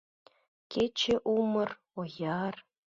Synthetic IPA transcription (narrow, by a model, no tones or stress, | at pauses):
kʲʰet͡ɕeʔumɤ̆r | ojɑr